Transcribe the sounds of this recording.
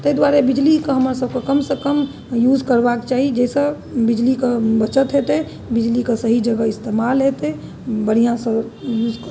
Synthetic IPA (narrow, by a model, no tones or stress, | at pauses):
t̪əjd̪waɾebid͡ʒlikeɦəməɾsəb̚kekəmsə̃kəm | jud͡ʒkəɾbakt͡ʃaɦid͡ʒɛɪsə̃ | bid͡ʒlikebət͡ʃət̪ɦet̪e | bid͡ʒlikesəɦid͡ʒəɡəist̪emalɦet̪e | bəɽ̤ijãsə̃ | jud͡ʒkə